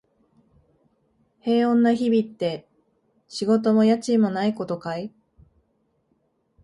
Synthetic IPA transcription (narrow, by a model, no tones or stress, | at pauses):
he̞ːõ̞nːaçibʲit̪ːe̞ | ɕiɡo̞t̪o̞mo̞jat͡ɕimo̞naiko̞t̪o̞kai